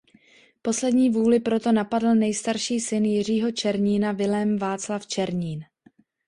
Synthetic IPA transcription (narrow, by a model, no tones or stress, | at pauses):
po̞slɛdɲiːvuːlɪpɾo̞t̪o̞napadl̩nɛjst̪aɾʃiːsɪnjɪr̝iːɦo̞t͡ʃɛɾɲiːnavɪlɛmvaːt͡slaft͡ʃɛɾɲiːn